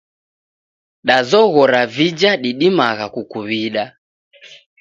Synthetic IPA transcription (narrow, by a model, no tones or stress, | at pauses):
ɗazɔɣɔɾavid͡ʒaɗiɗimaɣakukuβiɗa